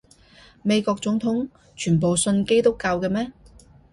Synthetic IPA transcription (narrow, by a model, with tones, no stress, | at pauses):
me˨˧jkɔː˧k̚t͡sʊ˨˥ŋt̪ʰʊ˨˥ŋ | t͡ʃʰyː˨˩npo˨wsɵ˧nke˥jt̪ʊ˥kːaː˧wkɛ˧mɛː˥